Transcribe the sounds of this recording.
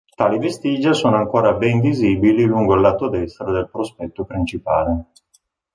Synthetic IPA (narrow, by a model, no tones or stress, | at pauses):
t̪aːlivest̪iːd͡ʒasoːnoaŋkoːɾabɛnviziːbililuŋɡolːaːt̪od̪ɛst̪ɾad̪elpɾospɛt̪ːopɾint͡ʃipaːle